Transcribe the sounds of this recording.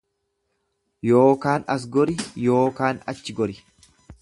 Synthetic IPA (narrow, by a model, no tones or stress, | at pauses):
joːkaːnɐs̬ɡɔɾɪjo̞ːkaːnɐ̰t͡ʃːɪɡɔɾɪ